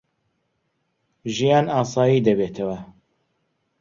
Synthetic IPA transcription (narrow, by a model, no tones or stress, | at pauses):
ʒijɑːnɑːsɑːjiːd̪ɐbeːt̪ʰɐwɐ